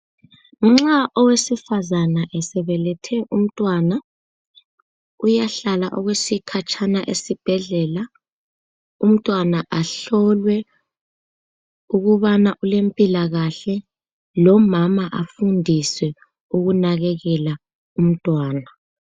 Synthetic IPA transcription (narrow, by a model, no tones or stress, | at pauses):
ŋ͡ǁaʔɔwesifazanaʔɛsɛβɛlɛtʰɛʔum̩tʼwaːna | ujaɬalaʔɔɣwesikʰat͡ʃʼʰanaʔesib̥ʱɛɮɛːla | um̩tʼwanaʔaɬɔlwɛ | uɣuβanaʔulempʼilaɣaɬɛ | lɔmamaʔafundʱiswɛ | uɣunaɣɛɣɛla | um̩tʼwaːna